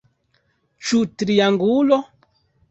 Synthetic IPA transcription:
t͡ʃutɾiaŋɡulɔ

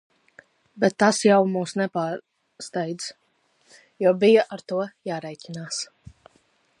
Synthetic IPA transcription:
bɛt̪ːasjawmuːsnɛpaːɾ | st̪ɛjd̪z | juɔbijaʔaɾt̪uɔjaːɾɛjcʲinaːs

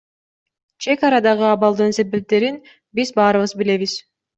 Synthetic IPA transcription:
t͡ʃʰe̞kɑɾɑd̪ɑʁɯɑβɑlˠd̪ɯnse̞be̞p̚t̪e̞ɾin | bizbɑːɾɯβɯzbile̞βiz̥

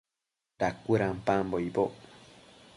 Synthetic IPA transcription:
dakʷuɾãmpãmboiboʔ

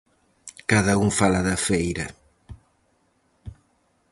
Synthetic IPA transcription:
kaðɐuŋfalɐðɐfejɾɐ

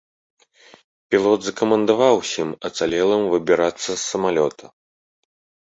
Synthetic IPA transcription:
pʲilˠɔd̪zɐkɐmɐnd̪avawsʲimɐt̪salʲɛlˠɐmvɨbʲiɾat̪sːɐsːɐmalʲɔt̪ʰɐ

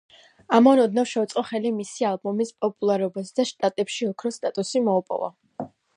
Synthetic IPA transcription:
amɔnɔd̪nafʃɛut̪sʼqʼɔχɛlimisialˠbɔmispʼɔpʼulˠaɾɔbasd̪aʃt̪ʼat̪ʼɛpʃiɔkʰɾɔst̪ʼat̪ʼusimɔupʼɔ̰va̰

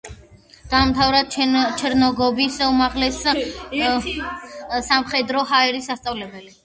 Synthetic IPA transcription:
d̪̥anmt̪ʰavɾad̪̚t͡ʃʰɛɾnɔɡɔbisumaʁlɛs | samχɛd̪ɾɔɦaɛɾisːast̪sʼavlɛbɛli

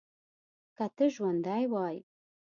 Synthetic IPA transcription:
katʰɨʒwand̪aːjwɑːj

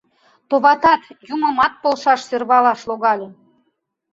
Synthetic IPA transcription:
t̪oβɑt̪ɑt̪juməmɑt̪̚polʃɑʃsørβɑlɑʃloɣɑlʲe

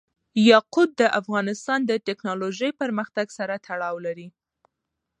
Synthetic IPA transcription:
jɑqud̪̚ːəʔafɣɑnɪst̪ɑnd̪əʈeknɑloʒəjpəɾməxt̪aɡsaɾat̪ʰaɽɑwlaɾi

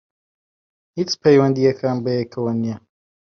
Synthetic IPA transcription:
hit͡spʰejwɐnd̪ijɐkʰaːnbɐjekʰɐwɐnijɛ

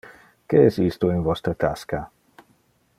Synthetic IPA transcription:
keɛsist̪oinvɔst̪ɾət̪aska

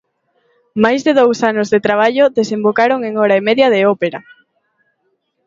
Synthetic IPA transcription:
majzðeðowsanozðet̪ɾaβ̞aʎoðesembokaɾoŋeŋɔɾaemeðjɐðeɔpeɾɐ

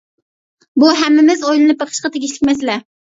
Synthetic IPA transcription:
buɦæmːɪmɪzojlˠɨnɨp̚bɑqʰə̥ʃqɑt̪ʰeɡʲiʃlɪkʲmɛslɛ

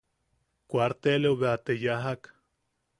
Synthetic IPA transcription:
kʷaɾt̪eleuβeat̪ejaɦak

